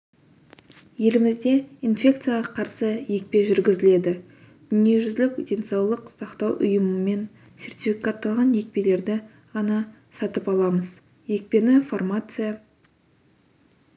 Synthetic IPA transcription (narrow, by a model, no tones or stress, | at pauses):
je̞lɪmɪzd̪e̞infʲe̞k̚t̪sɨjaʁɑqʰɑɾsəje̞k̚pe̞ʒʏɾɡʲɪzɪle̞d̪ɪ | d̪̥ʏne̞ʒʏzlɪkd̪ʲe̞nsɑwlˠəqsɑqt̪ɑwʔʊ̰jəməme̞n | se̞rt̪ʲifikat̪ːɑlˠʁɑnje̞k̚pe̞le̞ɾd̪ɪ | ʁɑnɑ | sɑt̪əpɑlˠɑməz | je̞k̚pe̞nɪformat̪sɨja